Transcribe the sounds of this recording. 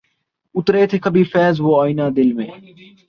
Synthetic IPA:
ʊt̪ɾeːt̪ʰeːkəbʱiːfɛːzʋoːaːinaːd̪ɪlmẽː

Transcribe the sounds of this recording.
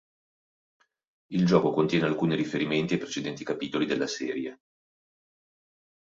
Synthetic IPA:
ild͡ʒɔːkokont̪jɛːnealkuːniɾifeɾiment̪iapɾet͡ʃed̪ɛnt̪ikapiːt̪olid̪elːasɛːɾje

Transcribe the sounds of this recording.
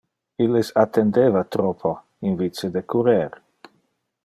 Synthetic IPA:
ilːesat̪end̪evat̪ɾɔpʰo | invit͡sed̪ekʰuɾeɾ

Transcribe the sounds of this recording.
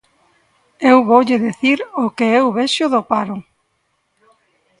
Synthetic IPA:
ewβowʎɪðeθiɾokeewβɛʃʊðopaɾʊ

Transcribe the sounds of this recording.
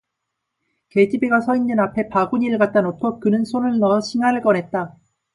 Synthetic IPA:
ke̞d͡ʑibiɡasʰʌindɯnapʰe̞paɡuɲiɭɡat̚t͈anotʰʌk͈ɯnɯnsʰonɯɭnʌɕʰiŋɦaɾɯɭk͈ʌnɦe̞t̚t͈a

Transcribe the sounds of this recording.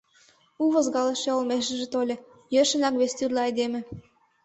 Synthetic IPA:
uβɤ̆zɡɑlɤʃĕolmeʃ̬ɘ̆ʒĕt̪olʲĕ | jøʃɘ̆nækβest̪yrlʲeɑjd̪emɘ̆

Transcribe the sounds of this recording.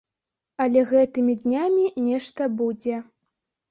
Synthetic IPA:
ɐlʲɛɣɛt̪ɨmʲid̪nʲamʲinʲɛʂt̪ɐbud͡zʲɛ

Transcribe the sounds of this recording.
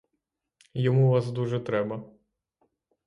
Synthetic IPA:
jɔmuʋazd̪uʐɛt̪ɾɛbɐ

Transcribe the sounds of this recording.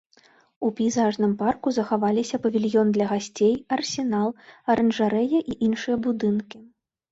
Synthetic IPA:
upʲijzaʐnɨmparkuzɐxavalʲisʲɐpɐvʲilʲjɔnd̪lʲɐɣasʲt͡sʲejɐrsʲin̪alˠɐɾɐnʐaɾɛjɐʔiʔinʂɨjɐbud̪ɨnkʲi

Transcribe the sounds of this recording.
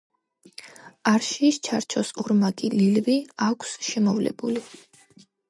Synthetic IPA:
aɾʃiːst͡ʃʰaɾt͡ʃʰɔsuɾmaɡililviakʷʰsʃɛmɔvlɛ̰buli

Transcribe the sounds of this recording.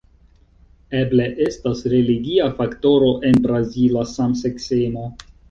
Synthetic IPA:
eble̞ʔe̞stasɾeliɡiafakto̞ɾo̞ʔe̞nbɾazilasamsekseno̞

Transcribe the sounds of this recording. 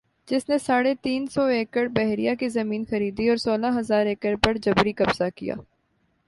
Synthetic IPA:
d͡ʒɪsnesaːɽet̪iːnsɔeːkəɽbɛɦɾijakizɐmiːnxɐɾiːd̪iɔːɾsoːlaɦɐzaːɾeːkəɾpɐɾd͡ʒɐbɾikɐbz̥akija̰ː

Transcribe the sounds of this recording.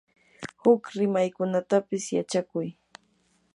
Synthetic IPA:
hʊkɾɪmajkʊnat̪apɪsjat͡ʃakʊj

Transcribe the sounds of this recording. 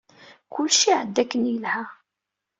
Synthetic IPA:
kʰʊlʃiʕəd̪ːækːənjəlhæ

